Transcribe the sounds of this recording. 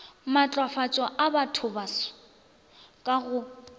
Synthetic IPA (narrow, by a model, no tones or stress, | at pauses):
mat͡ɬʼwafat͡sʼwaʔabatʰʊbasɔ̥ | kʼaɣʊ